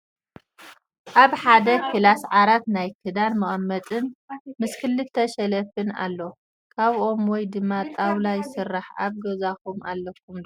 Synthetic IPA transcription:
ʔaβħad̪ɐkʰɨlasʕaɾat̪najkʰɨd̪anmɐχʼɐmːɐt͡s̪ʼɨnmɨskʰɨlːɨt̪ʰːɐʃɛlɐfɨna̰lːo | kʰaβʔo̞mwɔjd̪ɨmːat̪ʼawlajɪsɨrːaħa̰βɡɐzakumʔalːɐk̚ʰːum

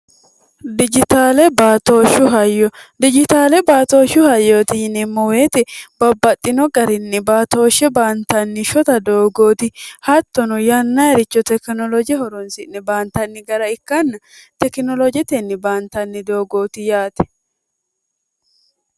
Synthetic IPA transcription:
d̪ɪd͡ʒɪt̪aːlɛbaːt̪o̞ːʃʊɦɐjːɔd̪ɪd͡ʒɪt̪aːlɛbaːt̪o̞ːʃʊhɐjːoːt̪ɪnɪmːɔweːt̪ɛb̥ɐbːɐt̪ʼːɪnɔɡɐɾɪnːɛbaːt̪o̞ːʃːɛbaːnt̪ɐnːɪʃɔt̪ɐd̪oːɡo̞ːt̪ɪhɐt̪ːɔnɔjɐnːɐjɐɾɪt͡ʃːɔt̪ɛknɔlɔd͡ʒɪɛhɔɾɔnsɪnːɛbaːnt̪ɐnːɪɡɐɾɐɪkːɐnːɐ | t̪ɛkɪnɔlɔd͡ʒɛt̪ɛnːɪbaːnt̪ɐnːɪd̪o̞ːɡo̞ːt̪ɪjaːt̪ɛ̥

